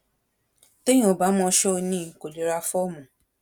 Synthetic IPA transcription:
tõ˦ĩ˦o˨ba˨˦mɔ̃˧˦ʃɔ˦˧nĩ˦˨ko˨li˨˦ɾa˧fɔ˦˨mũ˨

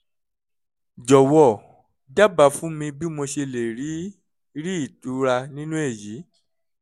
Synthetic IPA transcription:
d͡ʒɔ˨wɔ˨ | da˦˨ba˧˦fũ˦mĩ˧bi˦mo˧ʃe˧le˨ɾi˨˦ | ɾi˦i˦˨tu˨˦ɾa˧nĩ˦nũ˦e˦˨ji˨˦

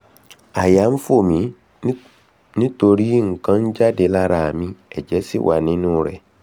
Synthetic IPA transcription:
a˨ja˨˦m̩˦fo˦˨mĩ˨˦ | nɪ̃˦to˨ɾi˦ŋ̩˨kʰã˦n˦d͡ʒa˦dɪ˨la˦ɾa˨mĩ˦ɛ˨d͡ʑɛ˦sɪ̰˦wʔa˨nɪ̃˦nʊ̃˦˨ɾɛ̰˨

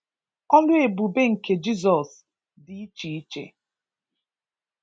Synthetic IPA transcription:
ɔ˦lʊ˦e˨bu˨be˦ŋ̩˨ke˨d͡ʒi˦zɔ˨s | dɪ˨i˦t͡ʃi˨i˦t͡ʃḛ˨

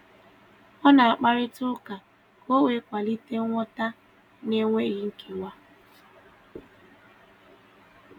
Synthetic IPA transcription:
ɔ˦na˨a˨k͡pa˦ɾɪ˦tʊ˦ka˨ | ko˦we˨˦kʷa˨li˦te˦ŋʷɔ˦ta˦ | ne˦ŋʷe˦ɣi˨ŋ̩˦kʰe˨ŋʷa˦

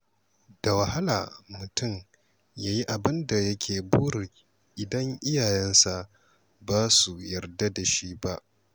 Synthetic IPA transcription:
d̥a˨wɐ˨ha˦la̰ː˨mʊ˨tʊ˦˨m | jaː˦ji˦ʔa˨bɪ˦nda˨jɐ˦kʲʰeː˨buː˦ɽɪ˨ | ʔɪ˨dɐ˦ŋʔɪ˦jaː˨jɛ˦nsa˨ʔ | baː˦su˨jɐ˨rda˦da˨ʃi˦ba˦ʔ

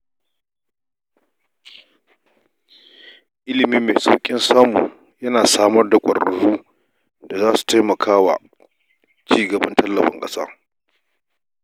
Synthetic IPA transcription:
ʔɪ˦lɪ˨miː˦meː˨sʼa˨wkʲʼɪ˦nsaː˦mṵː˨ | jɐ˦naː˨saː˦mɐ˦rda˨kʷʼɐ̰˨ɾɐ˨ɽuː˦ | da˨zaː˦su̥˨ta˦jmɐ˨kʰaː˦wa̰ː˨ | t͡ʃiː˦ɡɐ˨bɐ˦ntɐ˦lːɐ˨bɐ̰˦ŋkʼɐ˦saː˦

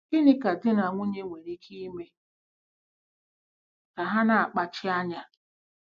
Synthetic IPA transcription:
ɪ˦nɪ˦ka˨dɪ˦na˨ŋʷʊ˦ɲe˦ŋʷe˨ɾi˦kʰi˦me˦ | ka˨ɦa˦na˨a˨k͡pa˨t͡ʃɪ˦a˦ɲa˦

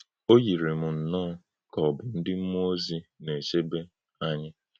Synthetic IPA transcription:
o˦ji˨ɾe˨mʊ˨n̩˨nɔː˦ | kɔ˨bɪ˨n̩˦dɪ˦m̩˦mo˦zi˨ne˨se˦be˦ | a˦ɲɪ˦

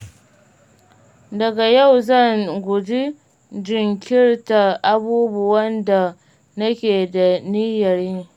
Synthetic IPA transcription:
dɐ˨ɡa˨ja˦˨wzɐ˦˨ŋɡʷʊ˨d͡ʒi˦ | d͡ʒɪ˨ŋkʲɪ˦rta˨ʔa˦buː˦bʊ˨wɐ˦nda˨ | nɐ˦kʲeː˨da˨niː˦jɐ˨ɾji˦

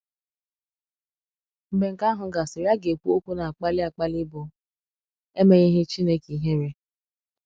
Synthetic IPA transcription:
m̩˨be˨ŋ̩˨ka˦ɦʊ˨˦ɡa˨se˨ɾja˦ɡe˨kʷu˦o˦kʷu˦na˨a˨k͡pa˦lɪ˦a˨k͡pa˦lɪ˦bʊ˨ | e˦me˨ɲe˦ɦɪ˦t͡ʃi˦ne˦ki˨˦ɦe˦ɾe˦

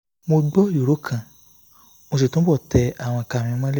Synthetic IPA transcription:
mo˧ɡ͡bɔ˦u˨ɾo˨˦kʰã˨ | mo˧s̬e˨tũ˦bɔ˦˨tɛ˧a˨w̃ɔ̃˧kã˨ĩ˧mã˦lɛ˦˨

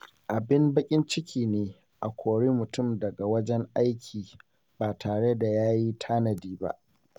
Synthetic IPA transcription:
ʔa˨bɪ˦mbɐ˦kʲʼɪ˦nt͡ʃɪ˦kʲʰiː˨neː˨ | ʔa˨kʷoː˨ɽeː˦mʊ˨tʊ˦mdɐ˨ɡa˨wɐ˦d͡ʒɛ˦ŋʔa˦jkʲʰiː˨ | baː˨tʰaː˨ɽe˦da˨jaː˦ji˦tʰaː˦nɐ˨diː˦ba̰˦ʔ

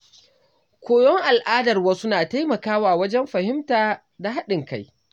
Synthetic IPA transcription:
kʷʰoː˨jɔ˦ŋʔa˨lʔaː˦dɐ˨rwaː˦sʊ˦naː˨ta˦jmɐ˨kaː˦waː˨wɐ˦d͡ʒɛ˦mɸɐ˨hɪ˦mtaː˨ | da˨ɦa˦ɗɪ˨ŋka˦j

